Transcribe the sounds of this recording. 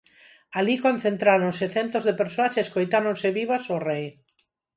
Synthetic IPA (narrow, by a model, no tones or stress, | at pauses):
alikon̟θẽnt̪ɾaɾonseθent̪ozðepeɾsoaseskojt̪aɾonseβiβasorej